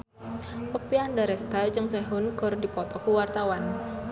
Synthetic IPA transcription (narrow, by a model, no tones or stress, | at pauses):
ʔəpiandaɾɛst̪ald͡ʒəŋsɛɦʊnɡ̥ɔ̤rdipɔt̪ɔkuwart̪awan